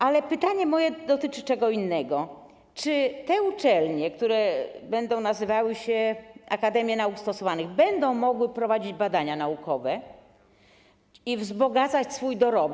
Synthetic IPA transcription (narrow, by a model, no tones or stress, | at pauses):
alɛpɘt̪aɲɛmɔjɛd̪ɔt̪ɘt͡ʂɘt͡ʂɛɡɔinːɛɡɔ | t͡ʂɘt̪ɛut͡ʂɛlɲɛkt̪uɾɛbɛnd̪ɔ̃w̃nazɘvawɘɕɛakad̪ɛmʲjɛnaukst̪ɔsɔvanɘɣbɛnd̪ɔ̃w̃mɔɡwɘpɾɔvad͡ʑid͡ʑbad̪aɲanaukʰɔvɛ | ivzbɔɡat̪sat͡ɕsfujd̪ɔɾɔb